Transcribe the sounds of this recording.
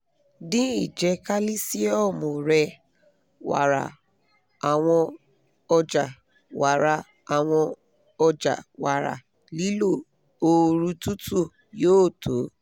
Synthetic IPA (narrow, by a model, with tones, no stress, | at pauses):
dĩ˦i˦˨d͡ʒɛ˧˦ka˦li˦si˦ɔ˦˨mo˨ɾɛ˧ | wa̰˨ɾa̰˨ | a˨w̃ɔ̃˧ | ɔ˧d͡ʒa˨ | wa˨ɾa˧ | a˨w̃ɔ̃˧ | ɔ˧d͡ʒa˨wa˨ɾa̰˨ | li˨˦lo˦˨ | o˧ɾu˧tu˦tu˦˨ | joː˦˨tʰo˨˦